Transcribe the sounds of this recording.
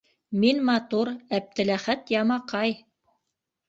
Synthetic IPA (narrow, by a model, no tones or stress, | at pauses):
minmɑt̪uɾæp̚t̪ɘ̆læχæt̪jɑmɑqɑj